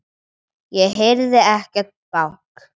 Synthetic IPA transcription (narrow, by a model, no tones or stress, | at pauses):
jɛɣɦejɾðɪɛhcɛɾ̥t̪̚pawk